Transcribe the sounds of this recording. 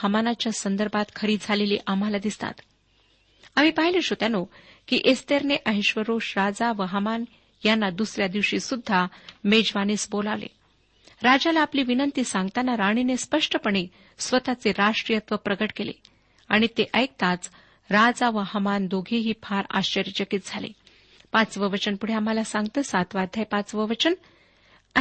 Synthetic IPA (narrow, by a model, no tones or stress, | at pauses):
həmanat͡ɕjasənd̪əɾbʱat̪kʰəɾiːd͡zʱaleliːʔam̤alad̪ist̪a̰t̪ | am̤iːpaɦileɕot̪janokiʔest̪eɾneʔəɦiɕʋəɾoʂɾad͡zaʋəɦəman | janːad̪usɾjad̪iʋɕiːsud̪ʱːamed͡ʑʋaniːsbolaʋlḛ | ɾad͡ʑalaːpliːʋinənt̪iːsãŋɡt̪anːaɾaɽ̃inespəʂʈəpəɳ̃e | sʋət̪at͡seɾaʂʈɾijət̪ʋəpɾəɡəʈkelḛ | aɽ̃it̪eʔəjk̚t̪at͡s | ɾad͡zaʋəɦəmand̪oɡʱiɦiːpʰaɾa̰ɕt͡ɕəɾit͡ɕəkit̪̚d͡zʱalḛ | pat͡sʋəʋət͡ɕənpuɽ̤eam̤alasãŋɡt̪əːsat̪ʋad̪ʱajpat͡sʋəʋət͡ɕən